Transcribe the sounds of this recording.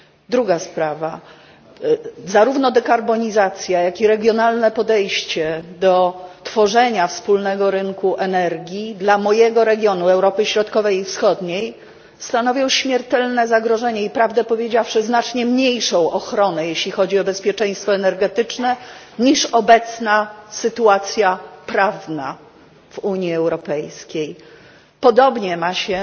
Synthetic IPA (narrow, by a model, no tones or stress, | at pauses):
d̪ɾuɡaspɾava | zaɾuvnɔd̪ɛkaɾbɔɲizat̪sʲjajakiɾɛɡʲjɔnalnɛpɔd̪ɛjɕt͡ɕɛd̪ɔt̪fɔʐɛɲafspulnɛɡɔɾɘŋkuʔɛnɛɾɡʲid̪lamɔjɛɡɔɾɛɡʲjɔnuɛwɾɔpɘɕɾɔt̪kɔvɛjifsxɔd̪ɲej | st̪anɔvʲjɔ̃w̃ɕmʲjɛɾt̪ɛlnɛzaɡɾɔʐɛɲɛipɾavd̪ɛpɔvʲjed͡ʑawʂɘznat͡ʂɲɛmɲejʂɔ̃w̃ʔɔxɾɔnɛjeɕlʲixɔd͡ʑiɔbɛspʲjɛt͡ʂɛ̃j̃st̪fɔɛnɛɾɡɛt̪ɘt͡ʂnɛ | ɲiʂɔbɛt̪snasɘt̪uat̪sʲjapɾavna̰ | v̥uɲiɛwɾɔpɛjskʲej | pɔd̪ɔbɲɛmaɕɛ